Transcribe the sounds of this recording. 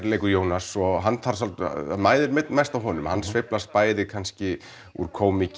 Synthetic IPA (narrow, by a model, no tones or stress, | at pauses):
ɾlejkʏjoːwnasɔɦanːθʰaɾ̥salt̪maːjðɪɾmɛt̪nmajst̪awɦɔnʏmhanːsvɪplas̚paːjðɪkʰanscɪ | ṵɾ̥kʰoːwmic